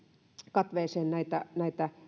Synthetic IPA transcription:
kɑt̪ʋeːˑseːnnæit̪ænæˑit̪æ

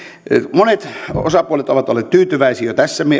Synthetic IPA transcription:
monet̪o̰sɑpuolet̪oʋɑt̪olːˑeːt̪t̪yːt̪yʋæisiːjot̪æsːæmie

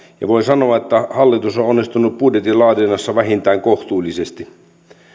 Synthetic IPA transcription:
jɑ̰ʋoisɑno̞ɑet̪ːæhɑlːit̪usoonːist̪unuppudjet̪ilɑːdinɑsːɑʋæɦint̪æːŋkoht̪uːlʲːisest̪i

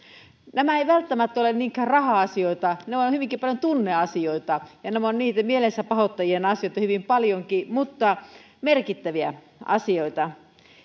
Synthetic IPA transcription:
næmæeiʋælt̪ːæmæt̪ːolenniːŋkæːrɑhɑɑsioit̪ɑneonhyʋiŋkipɑljont̪unːeɑsioit̪ɑjɑnemonniːt̪æmielesæpɑhot̪ːɑjienɑsijoit̪ɑhyʋimpɑljoŋkimut̪ːɑ | merkit̪ːæʋiæ | ɑ̰sioit̪ɑ

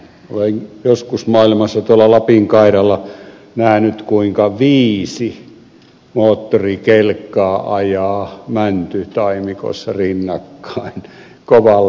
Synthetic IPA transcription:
o̰lenjoskusmɑilmɑsːɑt̪uolːɑlɑpiŋkɑˑiɾɑlːˑɑ | næhnyt̪kuiŋkɑʋiːsi | moːt̪ːorikelkːˑɑːʔɑjɑːmænt̪yt̪ɑˑimiko̰esːɑrinːɑkːɑˑin | koʋɑl

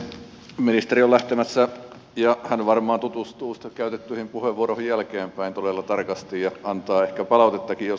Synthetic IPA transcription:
minist̪eriolæht̪emæsːæ | jɑhænʋɑrmˑɑːnt̪ut̪ust̪uːsi̥t̪ːekæyt̪et̪ːyihimpuheʋʋuorohijjælkeːmpæint̪olelːɑt̪ɑrkɑst̪ijjɑɑnt̪ɑːehkæpɑlɑˑut̪et̪ːɑkijjo

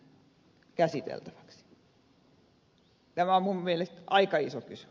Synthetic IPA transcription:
kæsit̪ḛlt̪æ̥ʋɑ̥ksi̥ | t̪æmæommummielest̪ɑikɑisokysy̥

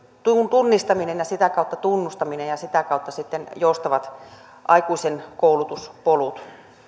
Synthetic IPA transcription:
t̪unt̪unːist̪ɑminenjɑsit̪ækɑut̪ːɑt̪unːust̪ɑminejɑsit̪ækɑut̪ːɑsit̪ːenjoust̪ɑʋɑt̪ | ʔɑikuisenkoulut̪uspolut̪

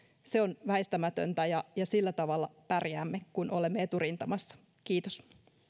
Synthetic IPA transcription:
seo̞nʋæest̪æmæt̪ø̰nt̪æjɑjɑsilːæt̪ɑʋɑlːɑpærjæːmːekunʔo̞le̞mːeet̪uɾint̪ɑmɑsːɑ̥ | kiːt̪os

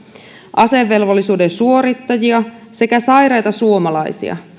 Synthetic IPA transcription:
ʔɑse̞ʋːe̞lʋolːisuːde̞nsuo̞ɾit̪ːɑjiɑse̞kæsɑjɾɑjt̪ɑsuo̞mɑlɑjsḭɑ̰

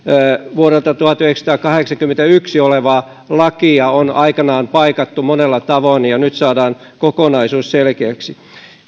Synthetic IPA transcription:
ʋuoɾelt̪ɑt̪uhɑt̪yheksɑ̥t̪ɑːkɑheksɑkymːent̪æyksioleʋɑː | lɑkiɑonɑikɑnɑːmpɑikɑt̪ːumonelːɑt̪ɑʋoinjɑnyt̪sɑːdɑːn | kokonɑisuːsselkeːksi

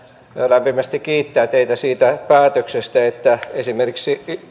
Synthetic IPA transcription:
jlæmpimæst̪ikkiːt̪ːæːt̪eit̪æsiːt̪æpæːt̪øksest̪æet̪ːæesimerkiksi

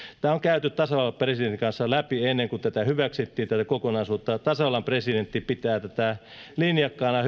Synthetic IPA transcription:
t̪æːoŋkæyt̪yt̪t̪ɑsɑɑlɑpresident̪ikɑnsːɑlæpienːeŋkut̪æt̪æhyʋæksit̪ːiːt̪æt̪ækokonɑisuːt̪ːɑt̪ɑsɑɑlɑmpresident̪ːipit̪æːt̪æt̪æ | linjɑkːɑːnɑh

